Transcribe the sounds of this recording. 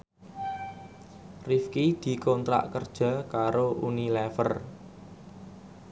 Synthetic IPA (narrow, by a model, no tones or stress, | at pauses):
rifkid̪̥i̤kɔnt̪ɾa̰ʔkərd̥ʒ̥a̤kaɾoʔunilɛfə̰r